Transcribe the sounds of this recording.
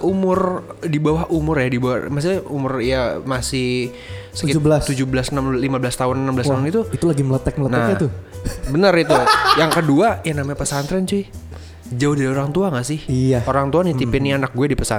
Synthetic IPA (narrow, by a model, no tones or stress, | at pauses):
ʔumʊrdibawahʔumʊrjadibawa̰mas̬ɪumʊrjamasɪh | səkkɪbəlast̪ud͡ʒubəlasənamlimabəlast̪aɦʊnənambəlasaʊnit̪uit̪ulaɡimələt̪ək̚mələnaɲat̪ʊbənərit̪ujaŋkəduajanamapəsant̪ɾant͡ʃui | d͡ʒaʊdaɾioɾaŋt̪uaŋasɪhijaoɾaŋt̪uanit̪ipɪnianak̚ɡuɛdipəsa